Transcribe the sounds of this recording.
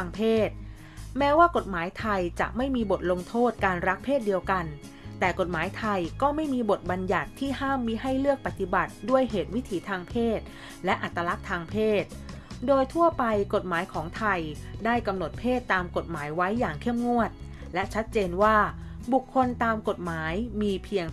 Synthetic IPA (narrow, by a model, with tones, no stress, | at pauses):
ŋpʰeː˥˩t̪̚ | mɛː˦˥waː˥˩ko˨˩t̪̚maː˩˦jt̪ʰa˧jt͡ɕa̰˨˩ʔma˥˩jmiː˧bo˨˩t̪̚lo˧ŋt̪ʰoː˥˩t̪̚kaː˧nɾa˦˥k̚pʰeː˥˩t̪̚di˧əwka˧n | t̪ɛː˨˩ko˨˩t̪̚maː˩˦jt̪ʰa˧jkɔː˥˩ma˥˩jmiː˧bo˨˩t̪̚ba˧nja˨˩t̪ʰːiː˥˩haː˥˩mːiː˧˥ɦa˥˩jlɯ˥˩ək̚pa˨˩t̪i˨˩ba˨˩t̪̚du˥˩əjɦeː˨˩t̪̚wi˦˥t̪ʰiː˩˦t̪ʰaː˧ŋpʰeː˥˩t̪̚ | lɛ˦˥ʔa˨˩t̪ːa˧la˦˥k̚t̪ʰaː˧ŋpʰeː˥˩t̪̚ | doː˧jt̪ʰu˥˩ɐpa˧jko˨˩t̪̚maː˩˦jkʰɔː˩˦ŋt̪ʰa˧jdaː˥˩jka˧mno˨˩t̪̚pʰeː˥˩t̪ːaː˧mko˨˩t̪̚maː˩˦jwa˦˥jːaː˨˩ŋkʰe˥˩mŋu˥˩ət̪̚lɛ˦˥t͡ɕʰa˦˥t̪̚t͡ɕeː˧nwaː˥˩bu˨˩kʰːo˧nt̪aː˧mko˨˩t̪̚maː˩˦jmiː˧pʰi˧əŋ